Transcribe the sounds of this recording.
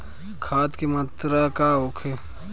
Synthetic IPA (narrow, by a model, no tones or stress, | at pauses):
kʰaːt̪kemat̪ɾakaokʰe